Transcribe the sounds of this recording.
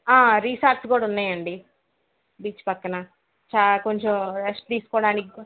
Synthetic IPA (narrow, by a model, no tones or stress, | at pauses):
aːɾiːsaːɾʈskuːɽaɐunːaːjɐɳɖi | biːt͡ʃpɐkːɐnɐ | t͡ʃaːlko̞ɲt͡ʃemɾesʈ̚t̪iːsu̥kɔːɽaːniki